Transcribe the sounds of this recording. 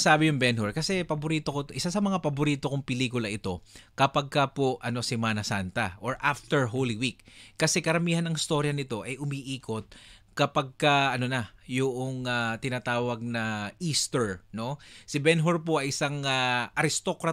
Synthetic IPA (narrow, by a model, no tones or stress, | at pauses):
saːbɪjʊŋbɛnɦoɹkɐsɛpɐbʊɾiːt̪o̞kot̪ʔɪsasɐmɐŋapɐbʊɾiːt̪okʊŋpɪliːkʊlɐʔɪt̪o̞kɐpɐɡ̚kɐpoʔɐno̞sɪmaːnɐsant̪ɐʔoɹʔaft̪ɛɹɦolɪwikːɐsɛkɐɾɐmiːhɐnːɐŋɪst̪o̞ɾjɐnɪt̪o̞ʔɐjʔʊmiʔiːko̞t̪̚ | kɐpɐɡ̚kɐʔɐno̞nɐjʊʔoŋat̪ɪnat̪aːwɐɡ̚nɐʔist̪ɛɹno̞sɪbɛnɦoɹp̬o̞ʔɐjʔɪsaŋaʔɐɾɪst̪o̞kɾɐ